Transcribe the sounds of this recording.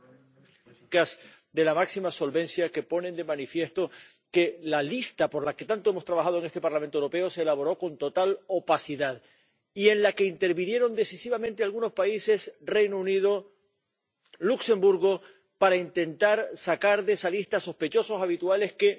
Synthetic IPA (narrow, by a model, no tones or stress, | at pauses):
kas | d̪e̞lamaksimaso̞lβẽ̞nsjake̞po̞ne̞nd̪e̞mãnifje̞st̪o̞ | ke̞lalist̪apo̞ɾlake̞t̪ant̪oemost̪ɾaβaxað̞oeŋest̪e̞paɾlament̪owɾo̞pe̞o̞seːlaβo̞ɾo̞ko̞nt̪o̞t̪alo̞pasiðað | ie̞nlake̞int̪e̞ɾβinje̞ɾo̞nd̪e̞sisiβamẽnt̪ealɣuno̞spaise̞sre̞jnounið̞o̞ | lukse̞mbuɾɣo̞ | paɾaint̪e̞nt̪aɾsakaɾðesalist̪aso̞shpe̞t͡ʃo̞so̞saβit̪uale̞ske